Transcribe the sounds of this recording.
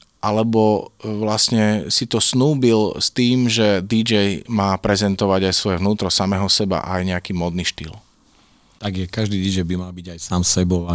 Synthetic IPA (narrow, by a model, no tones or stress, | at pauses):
ʔalɛbɔʋlasɲɛsit̪ɔsnuːbilst̪iːmʒɛd̪id͡ʒɛjmaːpɾɛzɛnt̪ɔʋaɟajsʋɔjɛʋnuːt̪ɾɔsamɛɦɔsɛba̰ʔajɲɛakiːmɔd̪niʃt̪ḭːl | t̪aɡjɛkaʒd̪iːd̪id͡ʒɛjbimalbiɟajsaːmsɛbɔʊa